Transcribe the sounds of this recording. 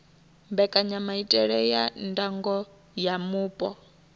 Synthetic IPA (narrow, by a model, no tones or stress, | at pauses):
mbɛkʼaɲamaitʼɛɺɛjandaŋɡɔ | jamuːpʼɔ